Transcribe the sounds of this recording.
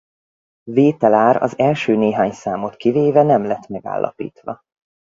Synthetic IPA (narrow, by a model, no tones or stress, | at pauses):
veːt̪ɛlaːɾɒ̰zɛlʃøːneːɦaːɲsaːmo̞t̪kiveːvɛnɛmlɛt̪mɛɡa̰ːlːɒ̰pḭːt̪ʋɒ